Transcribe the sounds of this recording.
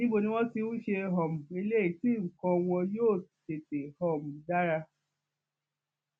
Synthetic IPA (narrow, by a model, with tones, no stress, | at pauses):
nĩ˦ɡ͡bo˦˨nĩ˧˦w̃ɔ̃˦ti˧ũ˦ʃe˧ɦɔ˨mũ˨e˧le˦i˦˨tĩ˦˨kɔ̃˧w̃ɔ̃˧joː˦˨te˨te˨hɔ˦˨mũ˨da˦ɾa˧